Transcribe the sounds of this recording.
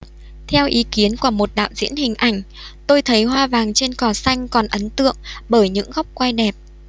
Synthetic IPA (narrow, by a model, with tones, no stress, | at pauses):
t̪ʰɛ˧wʔi˨˦ki˨˦ənku˧˩əmo˨˩t̚ɗa̰ː˧˨wzḭ˧˥ənhï˨˩ŋ̟ʔa˧˩jŋ̟ | t̪o˧jt̪ʰə˨˦jɦwaː˧vaː˨˩ŋt͡ɕe˧nkɔ˨˩sa˧jŋ̟kɔ˨˩nʔə˨˦nt̪ɨ̰˧˨əŋɓəː˧˩jɲɨ̰˧˥ŋɣɔ˦˥wk͡p̚kwa˧jɗɛ˨˩p̚